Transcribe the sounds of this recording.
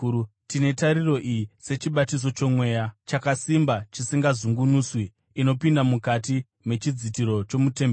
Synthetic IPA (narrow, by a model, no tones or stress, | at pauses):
tine̞taɾiro̞ʔijise̞t͡ʃiɓatis̬o̞t͡ʃo̞mwe̞ːjat͡ʃakasimbat͡ʃisiŋɡazuŋɡunuːswiː | no̞pindamukat̬i | me̞t͡ʃid͡zitiɾo̞t͡ʃo̞mute̞me